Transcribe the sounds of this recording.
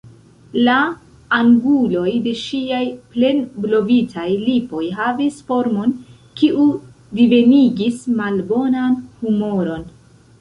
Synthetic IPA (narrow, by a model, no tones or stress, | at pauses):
laː | ŋɡulo̞jde̞ʃiajple̞nblo̞vitʰajlipo̞jɦavisfo̞ɾmo̞n | kiʔu | dive̞niɡismalbo̞nanhumo̞ɾo̞n